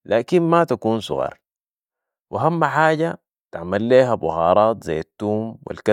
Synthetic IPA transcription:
laːkinmat̪akuːnsʊ̰ɣɑ̰ːɾˤ | wʔiɦamːaħaːɟa | t̪aʕmalːeːɦabʊhɑːɾˤɑːt̪za̰jːat̪ːuːmwḭlka

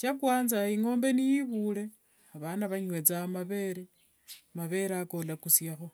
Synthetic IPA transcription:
t͡ʃakwaːnzaiŋo̞ːmbe̞nijiβule̞ | aβanaβaɲwe̞t͡samaβe̞ɾe | maβe̞ɾako̞lakusjaxo̞

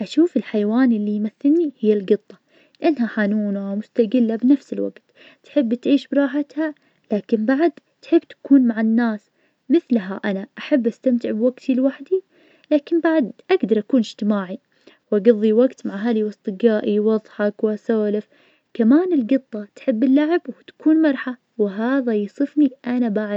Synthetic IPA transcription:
ʔaʃuːfɪlħajwaːnɪlːijmaθːɪlnihɪjːalɡɨt̪ˤːɑ | lɪʔanːɦaħanuːnamʊst̪aɡɪlːabnafsɪlwa̰ɡt̪ | t̪ħɪbːt̪ʕiːʃbɾˤɑːħat̪ha | laːkɪmbaʕd̪ | t̪ħɪbːt̪ḁkuːnmaʕanːaːs | mɪθlɦaʔanaʔaħabːʔast̪amt̪ɪʕbwaɡt̪ʰilwaħd̪i | laːkɪmbaʕd̪ʔaɡd̪ɑɾˤʔakuːnɪʒ̥t̪ɪmaːʕi | wʔaɡɑðˤːiwaɡt̪maʕɦaːliwɑsˤt̪ˤɨɡaːʔiwɑðˤħɑkwasaːlɪf | kamaːnɪlɡɨt̪ˤːɑt̪ħɪbːɪlːaʕɪbwɪt̪ḁkuːnmɑɾˤħa | wɪɦaːðajɪsˤɨfniʔanabaʕ

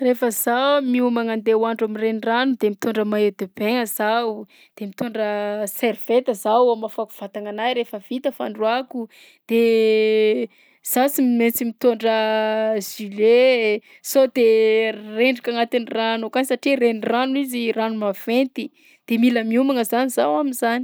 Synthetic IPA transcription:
refəzamiumaŋand̪ewaɳɖ͡ʐamireniranud̪emit̪oɳɖ͡ʐəmaed̪eb̥eŋəzaw | d̪̥emit̪oɳɖ͡ʐəserv̥et̪əzawamafaku̥v̥at̪aŋanajɾefəvit̪əfa̰ɳɖ͡ʐwaku | d̪̥e | z̥asimment͡simit̪oɳɖ͡ʐəzile | sod̪ereɳɖ͡ʐikaŋat̪iniranokansaʈ͡ʂirenranuiziranumav̥ent̪i | d̪̥emiləmiumaŋəzanizawaminzani̥

